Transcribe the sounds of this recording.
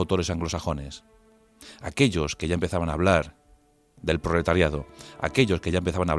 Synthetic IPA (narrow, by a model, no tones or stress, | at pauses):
wt̪o̞ɾe̞saŋɡlo̞saxo̞ne̞s | ake̞ʎo̞ske̞ʝaempeθaβanaβ̞laɾ | ðe̞lpɾole̞t̪aɾjað̞o̞a̰ke̞ʎo̞ske̞ʝaempe̞θaβanaβ